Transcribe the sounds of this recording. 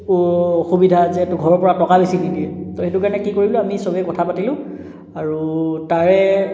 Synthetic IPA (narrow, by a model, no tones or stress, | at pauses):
xubidʱazɛtʊɡʱɔɹɔɹpɔɹatɔkabesinidiɛtɔxetukaɹnɛkikoɹiblʊ̃amisɔbɛkɔtʰapatilʊ̃ | aɹutaɹɛ